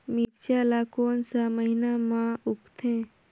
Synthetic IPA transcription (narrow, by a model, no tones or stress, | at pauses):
mit͡ʃjalakonsaməɦinamãupt̪ʰẽ